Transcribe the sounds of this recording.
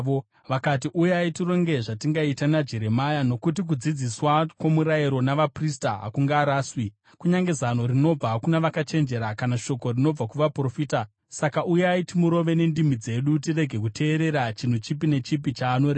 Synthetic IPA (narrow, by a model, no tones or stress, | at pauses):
ʋo | ʋakatiʔujeaitiro̞ŋɡe̞ʐatiŋɡaitanad͡ʒe̞ɾe̞majano̞kutik̬ud͡zid͡ziswakwo̞muɾaiɾo̞naʋapristaɦa̰kuŋɡaːɾaːswi | kuɲaŋɡe̞zan̤o̞rino̞b͡vakunaʋakat͡ʃe̞nd͡ʒe̞ɾakanaʃo̞ko̞rino̞b͡vakuʋapro̞fiːta | sakaʔujeaitimuɾo̞ʋe̞ne̞ndimid͡ze̞ɗut̬ire̞ɡʱe̞kutʰe̞ːɾe̞ɾat͡ʃin̤ut͡ʃip̬ine̞t͡ʃipit͡ʃaːnoɾe